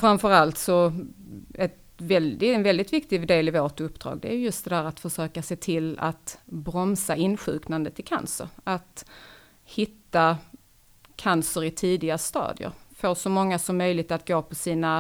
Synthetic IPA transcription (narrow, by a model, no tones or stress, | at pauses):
fɾamfœɾalt̪sɔ | ɛt̪ | vɛld̪ɪɛnvɛld̪ɪt̪vɪkt̪ɪd̪eːlɪvoːʈɵpːd̪̥ɾɑ̰ːɡd̪ɛæɾjɵjɵst̪̚d̪ɛd̪æːɾat̪fœʂøːkaseːt̪ʰɪla̰t̪bɾɔmsaɪnːɧʉ̟̰ːknand̪ət̪ʰɪlkʰa̰nsə̰ɾat̪ | hɪt̪ːa | kʰansəɾɪt̪ʰiːd̪ɪɡast̪ɑ̰ːd̪jə̰ɾfoːʂɔmɔŋːasɔmːœjlɪɡ̚t̪at̪ɡoːpʰɔsiːna